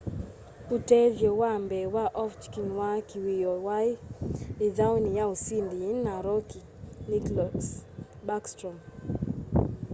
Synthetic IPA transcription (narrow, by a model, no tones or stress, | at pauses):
utɛvjɔwambɛwaʔɔft͡ʃkinwakiwijɔwaiiðawnijausindinːaɾɔki | niklɔs | bakstɾɔm